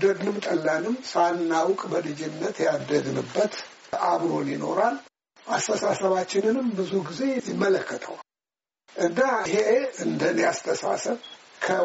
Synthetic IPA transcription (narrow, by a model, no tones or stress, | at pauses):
d̪əd̪nɨmt̪ʼəlːanɨmsanːawkʼbəlɨd͡ʒɪnːət̪jad̪ːəɡnɨbːət̪ʔaβɾo̞njɪno̞ɾal | ʔast̪ʰəsasəβat͡ʃːɪnɨnɨmbɨzuɡize̞jɪmːələkʰːət̪ʼʰə̰w | ʔɨnd̪ahe̞ɨnd̪əniast̪ʰəsa̰səβkʰə